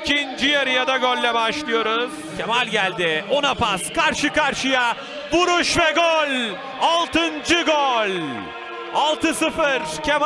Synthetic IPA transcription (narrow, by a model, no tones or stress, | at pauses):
cʰind͡ʒijaɾɯjad̪aɟølʲːɛbaʃlˠɯjo̞ɾuz̥ | cʲʰemalʲɟælʲd̪ɪo̞napaskʰaɾʃɯkaɾʃɯja | buɾuʃvɛɡølʲ | alˠt̪ɯnd͡ʒɯɡølʲ | alˠt̪ʰɯsɯfɯɾcʰem